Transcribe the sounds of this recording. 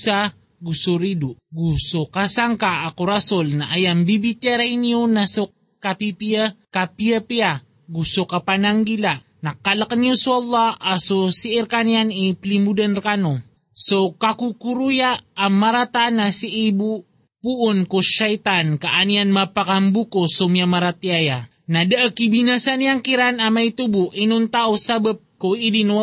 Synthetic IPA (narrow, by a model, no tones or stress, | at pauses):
sa | ɡusuɾid̪oɡusokasaŋkaʔakoɾasolnaʔajaŋbibit̪jaɾajnionaso | kapipiakapijapia | ɡusokapanaŋɡila | nakːalakanijosuɑlˠːɑasosiɪɾkanjaniplimud̪anɾkano | sokakukuɾujaːmːaɾat̪anasiʔibu | puʔːnkoʃajt̪ankaʔanianmapakambukosomiamaɾat̪iaja | nadaʔəkibinasanijaŋkiɾanamajt̪ubuʔinuŋt̪aʔusabap̚koidin